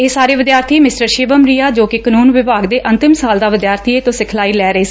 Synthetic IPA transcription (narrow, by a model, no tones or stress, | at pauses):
eːsaːɾeːʋɪd̪jaːɾt̪ʰiːmɪsʈəɾʃeːbəmɾiːaːd͡ʒoːkɪkənuːnʋɪbaːɡd̪eːʔə̃nt̪ɪmsaːld̪aːʋɪd̪jaːɾt̪ʰieːt̪õːsɪkʰlaːiːlɛːɾəeːs